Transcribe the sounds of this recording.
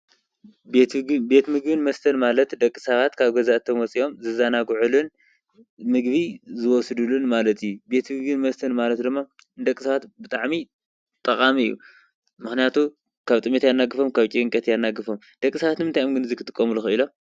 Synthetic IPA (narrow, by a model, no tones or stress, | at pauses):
bet̪be̞t̪mɨɡbɨnmɐst̪ʰɐnmalɐt̪d̪ɐkʼːɨsɐβat̪kʰaβɡɐzaʔt̪ʰɐmwɔt͡sʼio̞mzɨzanaɡʕulun | mɨɡbizɨwɔsɨd̪ulunmalɐt̪ʰijːube̞t̪mɨɡbinmɐst̪ʰɐnmalɐt̪d̪ɨmːa | d̪ɐkʼːsaβat̪bɨt̪ʼaʕmi | t̪ʼɐχʼamiɨjːṵ | mɨxnijat̪ʰu | kʰaβt̪ʼɨmet̪janːaɡɨfomkʰaβt͡ʃʼiɨŋkʼɐt̪janːaɡɨfom | d̪̥ɐkʼːɨsɐβat̪mɨnt̪ʰajomɡɨnɨzɨkʰɨt̪ʼɨkʼːɐmuluxɨɨlom